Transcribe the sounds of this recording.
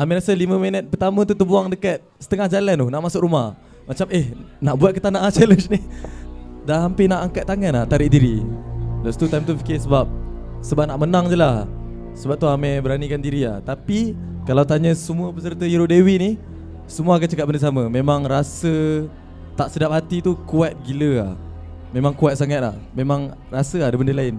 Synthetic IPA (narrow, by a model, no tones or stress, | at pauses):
amɛ̃ɾasəlimə̃mənət̪̚pərt̪amə̃t̪ut̪əbuaŋdəkat̪̚sə̥t̪əŋahd͡ʒalanʊhnaʔmasʊkɾumah | mat͡ʃaməhnaʔbuat̪̚kət̪anaʔat͡ʃɛləsni | daɦampɪnaʔaŋkat̪̚ːaŋanaht̪aɾɪʔdiɾilast̪ut̪ajmt̪ufikɪsəbap̚ | səbanaʔmənaŋd͡ʒəlah | səbap̚t̪uamɛbəɾanikandiɾia̰ht̪apikalawt̪aɲə̃səmuəpəs̬ərt̪əjiɾodewiʔni | səmuaakant͡ʃəkat̚bəndəs̬aməmẽmaŋɾasə | t̪aʔsədap̚ɦat̪it̪ukuat̪̚ɡiləa̰h | mẽmaŋkuat̪̚saŋat̪̚la̰hmemãŋ | rasəadəbəndəlaɪn